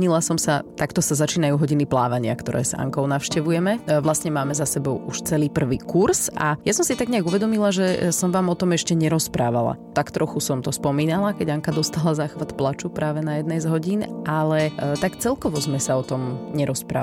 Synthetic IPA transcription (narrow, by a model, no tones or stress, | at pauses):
ɲilasɔmsat̪akt̪ɔsazat͡ʃiːnajuːɦɔɟinipla̰ːʋaɲɪa̰kt̪ɔ̰ɾɛ̰ːz̥a̰ŋkɔʊnaʊʃcɛʋujɛmɛʋlasɲɛmaːmɛzasɛbɔʊuʃt͡sɛliːpr̩ʋiːkuɾsa̰jasɔmsit̪aɡɲɛaɡuʋɛd̪ɔmilaʒɛsɔmʋaːmɔt̪ɔmɛʃcɛɲɛɾɔspɾaːʋa̰la̰t̪akt̪ɾɔxusɔmt̪ɔspɔmiːnalakɛɟaŋkad̪ɔst̪aːlazaːxʋat̪plat͡ʃupɾaːʋɛnajɛd̪nɛjzɦɔɟinʔalɛt̪akt͡sɛlkɔʋɔzmɛsaɔt̪ɔmɲɛɾɔspɾa̰ː